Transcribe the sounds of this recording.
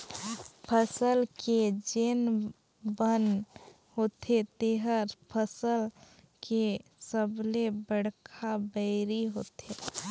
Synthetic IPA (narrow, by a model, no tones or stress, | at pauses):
pʰəsəlked͡ʒeːn | bən | ɦoːt̪et̪eɦəɾpʰəsəl | kesəblebəɽkʰabəɪɾiɦoːt̪e